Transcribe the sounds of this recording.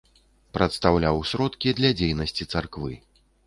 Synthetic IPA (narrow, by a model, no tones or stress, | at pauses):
pɾɐt̪st̪awlʲawsʲɾɔt̪kʲid̪lʲɐd͡zʲejnɐsʲt͡sʲit̪sarkvɨ̰